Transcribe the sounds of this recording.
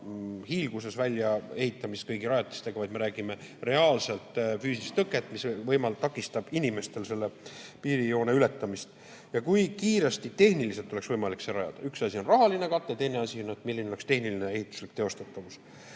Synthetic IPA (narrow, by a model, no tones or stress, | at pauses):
hiːlɡ̥use̞svælʲjɑe̞hit̪ːˑɑmist̪̚kɤjɡiɾɑjɑt̪ːˑi̥st̪e̞ɡɑvɑjd̪̥me̞ɾæːɡ̥ime̞re̞ɑːlse̞lt̪ˑfyːsist̪ːɤkːˑet̪ːˑmisvɤjmɑlt̪ɑkːˑist̪ɑb̥inʲime̞st̪e̞lse̞lːe̞piːɾijo̞ːneyle̞t̪ːˑɑmist̪ | jɑkujkiːɾest̪it̪e̞hniliselt̪ːˑo̞le̞ksvɤjmɑlikseɾɑjɑ̰d̪̥ɑ̰yksɑsio̞nrɑɦɑline̞kɑt̪ːˑet̪e̞jne̞ɑsʲionːet̪milːineoest̪e̞hniline̞e̞hit̪ːˑu̥slik̚t̪e̞o̞st̪ɑt̪ːˑɑvus